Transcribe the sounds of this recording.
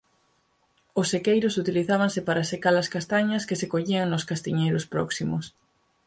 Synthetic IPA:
ʊsːekejɾʊsut̪iliθaβaŋsɪpaɾɐsekalɐskast̪aɲɐskesekoʎiɐŋnʊskast̪iɲejɾʊspɾɔksimʊs

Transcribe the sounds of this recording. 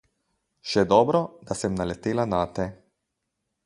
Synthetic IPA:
ʃɛd̪ɔːbɾɔd̪asɛmnalɛt̪eːlanaːt̪ɛ

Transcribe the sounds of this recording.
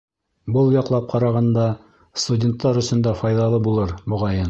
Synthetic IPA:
bɤlˠjɑqlˠɑp̚qʰɑɾɑʁɑnd̪ɑ | st̪udʲe̞nt̪ːɑɾɵ̆sɵ̆nd̪æfɑjðɑlˠɤbulˠɤɾbŏʁɑjɤn

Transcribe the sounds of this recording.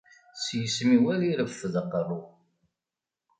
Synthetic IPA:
sjəsmiwæliɾəfːəðəqːrˤu

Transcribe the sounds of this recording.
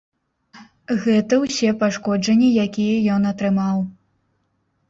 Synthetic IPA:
ɣɛt̪ɐwsʲɛpaʂkɔd͡ʐɐnʲːijakʲijɐjɔnɐt̪ɾɨmaw

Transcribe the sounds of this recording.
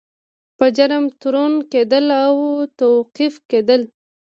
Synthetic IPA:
pəd͡ʒaɾəmt̪ʊɾonked̪əlawt̪awqifked̪əl

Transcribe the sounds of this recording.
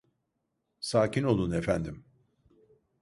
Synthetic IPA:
saːcʰino̞lˠunefænd̪im

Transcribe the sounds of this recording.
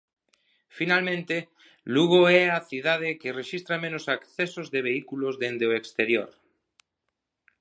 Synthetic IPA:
finalmẽnt̪e | luɣoɛaθiðað̞ekereʃist̪ɾamẽnosakθesozðeβ̞eikulozðend̪eoekst̪eɾjo̰ɾ

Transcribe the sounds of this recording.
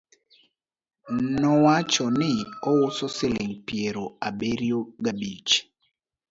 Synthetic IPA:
nɔwat͡ʃɔnɪɔwʊsɔsɪlɪŋpieɾoabeɾjoɡabit͡ʃ

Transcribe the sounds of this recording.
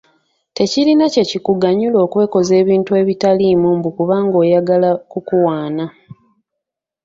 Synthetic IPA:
te̞cilinace̞cikuɡaɲulo̞ːkwe̞ːko̞ze̞ːβiːntue̞ːβitaliːmuːmbukuβaːŋɡo̞ːjaɡalakukuwaːna

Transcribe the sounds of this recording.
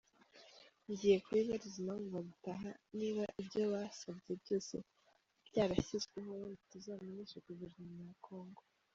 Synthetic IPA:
ɲɟije̞kuiβaɾizinamuvaɡutaɦaniːβaʔibɟo̞wasabɡe̞bɟo̞ːse̞̰ | ɾjaːβaçizɡweho̞ituzaminisɾikuβiʒimɲakʰo̞ːŋɡo

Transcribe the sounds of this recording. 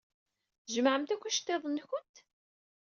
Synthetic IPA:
θʒəmʕəmt̪ækʷːæʃt̪ːeðˤənːçʊnt̪

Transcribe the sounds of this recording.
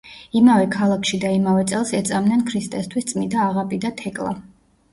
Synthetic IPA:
imavɛkʰalˠakʰʃid̪aimavɛt̪sʼɛlˠsɛt̪sʼamnɛnkʰɾist̪ʼɛst̪ʰwist̪sʼmind̪aːʁapʼid̪at̪ʰɛkʼlˠa̰

